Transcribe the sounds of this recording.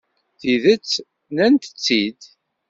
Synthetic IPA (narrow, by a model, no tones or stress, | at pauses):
θiðət͡sː | nænt̪ə̥t͡sːid̪